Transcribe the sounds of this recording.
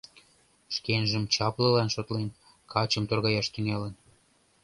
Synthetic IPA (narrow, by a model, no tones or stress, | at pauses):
ʃkenʒəmt͡ɕɑplə̆lɑnʃot̪len | kʰɑt͡ɕəmt̪orɣɑjɑʃt̪ynelən